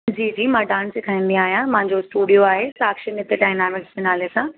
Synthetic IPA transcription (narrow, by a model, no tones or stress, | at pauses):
d͡ʑiːd͡ʑiːmãːɖaːnsɪkʰaːĩːnd̪ĩaːɦijãmɐ̃ɦɪ̃ɲd͡ʑoɪsʈuːɖijoaːɦesaːkʃənɪt̪eɖaːɪnaːmɪkd͡ʑɪnaːlesã